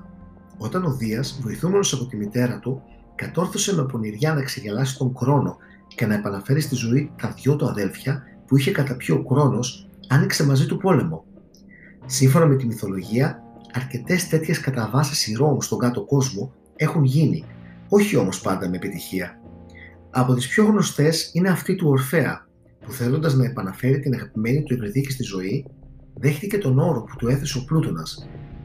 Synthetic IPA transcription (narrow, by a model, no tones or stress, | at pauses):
o̞t̪ɐno̞ðiɐzvo̞jθume̞no̞sɐpo̞t̪imit̪e̞ɾɐt̪u | kɐt̪o̞ɾθose̞mepo̞niɾʝɐnɐekse̞ʝelɐsi̥t̪o̞ŋxɾo̞no̞ | ce̞nɐe̞pɐnɐfe̞ɾist̪izo̞it̪ɐðʝo̞t̪uɐðe̞lfçɐ | puiçe̞kɐt̪ɐpçookɾo̞no̞s | ɐnikse̞mɐzit̪upo̞le̞mo̞ | siɱfo̞nɐme̞t̪imiθo̞lo̞ʝiɐɐɾce̞t̪e̞st̪e̞t̪çe̞skɐt̪ɐvɐsisiɾo̞must̪o̞ŋɡɐt̪o̞ko̞zmo̞ | e̞xunʝinḭ | o̞çio̞mo̞spɐnd̪ɐme̞ːpit̪içiɐ | ɐpo̞t̪ispço̞ɣno̞st̪e̞sine̞ɐft̪it̪uo̞ɾfe̞ɐ̰ | puθe̞lo̞nd̪ɐznɐe̞pɐnɐfe̞ɾit̪inɐɣɐpime̞nit̪uepɾiðicist̪izo̞iðe̞xt̪ice̞t̪o̞no̞ɾo̞pu̥t̪ue̞θe̞se̞o̞plut̪o̞nɐs